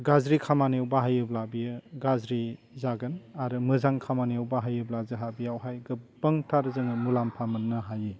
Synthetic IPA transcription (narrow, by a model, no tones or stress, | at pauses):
ɡazɾikʰamaniwbaɦajɯblabijɯɡazɾizaɡɯnaɾɯmɯzaŋkʰamaniawbaɦajɯblazɯɦabijawɦajɡɯbɐŋtʰaɾzɯŋɯmulampʰamɯnːɯɦaji